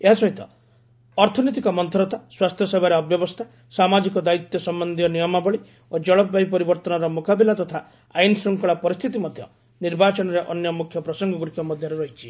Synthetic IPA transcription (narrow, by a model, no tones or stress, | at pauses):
eɦasɔɦit̪ɔ | ɔɾt̪ʰɔnit̪̬ikɔmɔnt̪ʰɔɾɔt̪aswast̪ʰjɔsebaɾeɔbjɔbɔst̪ʰa | samad͡ʒikɔd̪ait̪jɔsɔmbɔnd̪ijɔnijɔmabɔɭi | od͡ʒɔɭɔpbaɦipɔɾibɔɾt̪ɔnɔɾɔmokabilat̪ɔt̪ʰa | ainsɾuŋkɔɭapɔɾist̪ʰit̪imɔd̪ʱjɔ | niɾbat͡ʃɔnɔɾeʔɔnjɔmukʰjɔpɾɔsɔŋɡɔɡuɾkʰjɔmɔd̪ʱjɔɾeɾɔɦit͡ʃʰi